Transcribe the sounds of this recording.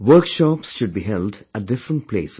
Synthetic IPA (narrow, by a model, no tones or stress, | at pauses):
ʋəːkʃɔːpsʃʊɖ̚biɦɛlɖædɪfɾə̃nʈ̚pʰlḛːs